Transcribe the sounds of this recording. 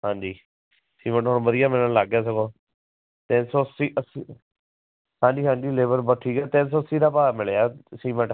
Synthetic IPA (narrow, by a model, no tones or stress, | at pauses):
ɦãːd͡ʒiː | siːmə̃ɳʈɦoːnːbəd̪ɪjaːmɛ̃ːnãːlaːɡjaːs̬əɡoː | t̪ẽnsoːsiːʔəsi | hãːɲd͡ʒiːɦãːɲd͡ʒiːleːbəɾbɔːt̪̚ʈʰiːkɛːt̪ẽnsoːsiːd̪aːpaːmɪɭeaːsiːmə̃ɳʈ